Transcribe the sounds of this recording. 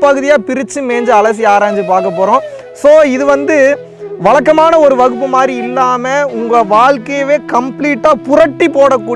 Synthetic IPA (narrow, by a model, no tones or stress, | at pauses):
pɐɣɯðɪjaːpɪɾɪt͡ʃːɯmeːɲd͡ʒɯɐlɐs̬ɪjaːɾaːɲd͡ʒɯpaːɾkɐpːoːɾõː | soːɪðɯʋɐnd̪ɯ | ʋɐɭɐkːɐmaːnɐɔɾɯʋɐɣɯp̬ːɯmaːd̪ɾiɪlːaːmɐʊŋɡɐʋaːɭkejʋeːkɐmpliːʈːaːpʊɾɐʈːipoːɽɐkːuː